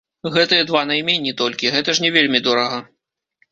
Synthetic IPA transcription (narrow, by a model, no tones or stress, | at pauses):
ɣɛt̪ɨjɐd̪vanɐjmʲenʲit̪ɔlʲkʲiɣɛt̪ɐʂnʲɛvʲelʲmʲid̪ɔɾɐɣɐ